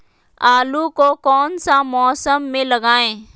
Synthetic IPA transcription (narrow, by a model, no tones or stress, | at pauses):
aːlukokɔːnsamɔːsəmːẽlɐɡaːẽː